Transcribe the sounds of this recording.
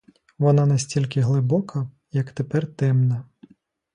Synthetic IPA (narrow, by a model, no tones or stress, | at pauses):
ʋɔnɑnɐsʲtʲilʲkɪɦlˠɪbɔkʰɐ | jɐkt̪epɛrt̪ɛmnɐ